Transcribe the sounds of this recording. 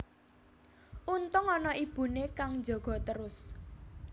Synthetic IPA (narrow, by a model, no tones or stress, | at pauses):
ʔunt̪ʊŋɔnɔʔib̥ṳnekaŋd͡ʒɔ̤ɡ̥ɔ̤t̪əɾʊs